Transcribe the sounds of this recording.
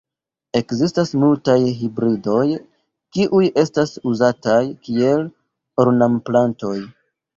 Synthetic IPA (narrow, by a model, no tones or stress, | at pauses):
e̞kzistasmultajɦibɾido̞j | kiʔuje̞stasuzatajkie̞l | oɾnamplanto̞j